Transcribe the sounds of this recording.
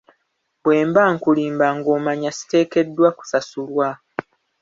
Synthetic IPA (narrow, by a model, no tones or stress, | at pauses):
bwe̞ːmbaːŋkuliːmbaŋɡo̞ːmaɲasi̥te̞ːke̞dːwaku̥sasulwa